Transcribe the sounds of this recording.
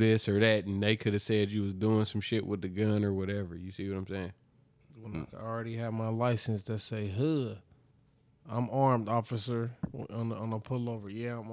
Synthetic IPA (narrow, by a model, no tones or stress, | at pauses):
ðɪsə˞ðɨt̚n̩ðeɪkʰʊɾɨv̥sɛt͡ʃɨwʌzduɪ̃ŋsʌ̃mʃɪʔwəðɨɡʌ̃nə˞wʌɾɛvə˞jɨsiwʌɾãɪ̃mseɪɪ̃ŋ | wə̃naɪl̩ˠɹɛɾiɨvmaɪlaɪsɨ̃nsðɨtseɪɦʌ | ãɪ̃mɑɹmdɔfɨsə̃˞nə̃nəpʰʊlˠoʊvə˞jæãɪ̃m